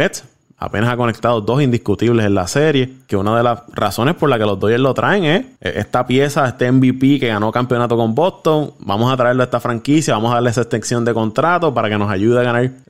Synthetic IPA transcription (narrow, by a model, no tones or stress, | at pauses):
et̪s | a̰penasako̞ne̞k̚t̪aðod̪o̞sind̪ihkut̪iβle̞senlase̞ɾje̞ke̞unað̞e̞lasra̰so̞nespo̞ɾlake̞lo̞zd̪oʝeɾlo̞t̪ɾʔaeŋe̞sʔḛst̪apje̞saest̪e̞ːmbipike̞ɣano̞kampjo̞nat̪o̞ko̞mbo̞st̪o̞ŋba̰mo̞sat̪ɾae̞ɾloest̪afɾaŋkisjaβamosaðaɾlesaest̪eŋsjo̞nd̪e̞ko̞nt̪ɾat̪o̞paɾake̞no̞saʝuðeaɣanaɾ